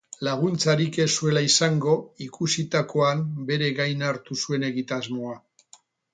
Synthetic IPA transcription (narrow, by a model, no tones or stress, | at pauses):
laɣ̞unt͡saɾike̞sue̞laisaŋɡo̞ikusit̪ako̞ambe̞ɾe̞ɣajnaɾt̪usue̞ne̞ɣit̪azmo̞a